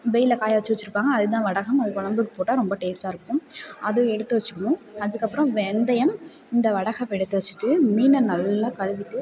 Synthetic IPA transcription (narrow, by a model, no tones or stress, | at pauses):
ʋɛjɪlɐkaːjaʋɐt͡ʃːɯʋɐt͡ʃːɪɾɯpːaːŋɡɐːðɯt̪̬ãːʋɐɽɐɣɐmɐðɯkɔɳɐmbɯkːɯpoːʈːaːɾɔmbɐʈeːsaːɪɾɯkːʊ̃mɐðɯɛɽɯt̪ːɯʋɐt͡ʃːɯkːɐɳʊ̃ɐðɯkːɐpːɯɾɐ̃ʋɛnd̪ɐjɐm | ɪnd̪ɐʋɐɽɐɣɐmɛɽɯt̪ːɯʋɐt͡ʃːɯ̥ʈːɯmiːnɐnɐlːaːkɐɻɯʋɪʈːɯ